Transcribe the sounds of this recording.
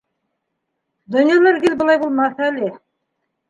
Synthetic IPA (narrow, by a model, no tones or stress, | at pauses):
d̪ɵnjɑlˠɑɾɡʲelbʊlˠɑjbolˠmɑsæle